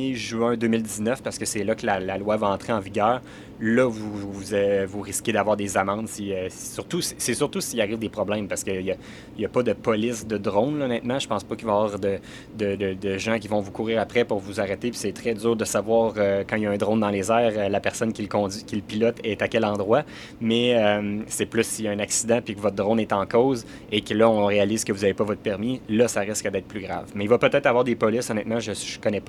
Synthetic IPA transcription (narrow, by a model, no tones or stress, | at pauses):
ʒyɛ̃d̪øːmɪld̪iznœfpaʁsəkəsɛlʌkəlalalwavaɑ̃t̪χeɑ̃viɡʲœːʁ | lʌvuzvuʁiskʲed̪avwaɑːʁd̪ezamɑ̃d̪siøssyʁt̪usi̥sɛsyʁt̪usiaʁiːvd̪epχɔblɛ̃mpaʁsə̥kəja | ijapʌd̪əpɔlɪsd̪əd̪ʁɔ̃nlnɛt̪mɑ̃ʒə̥pɑ̃spʌkilvavwaːʁd̪ə | d̪əd̪əd̪əʒãk̬ʲivɔ̃vukuːʁiːʁapʁɛpʊʁvuzaʁɛt̪epi̥sɛt̪χɛdzyːʁd̪əsavwaːʁøkɑ̃iljɛ̃d̪ʁɔ̃nd̪ɑ̃lezɛːʁəlapɛʁ̥sɔnkʲilkɔ̃d̪d͡zɥikʲilpilɔt̪ɛt̪akʲɛlɑ̃d̪ʁwa | mɛømsɛplʏsːijɛ̃naksid̪ãpikəvɔt̪̚d̪ʁɔ̃nɛt̪ɑ̃kɔːz | ekəlʌɔ̃ʁealiːzkəvuzavepʌvɔt̪χpɛʁmilʌsaʁɪskəd̪ɛːt̪̚plyɡʁa̰vmɛilvʌpøt̪ɛːt̪χavwɑːʁd̪epɔlɪsɔnɛt̪mãʒəkɔnɛp